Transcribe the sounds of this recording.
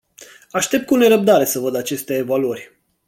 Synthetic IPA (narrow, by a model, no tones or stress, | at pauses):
aʃt̪e̞p̚t̪̚kune̞ɾəp̚d̪aɾe̞səvəd̪at͡ʃe̞st̪eːvaluərʲ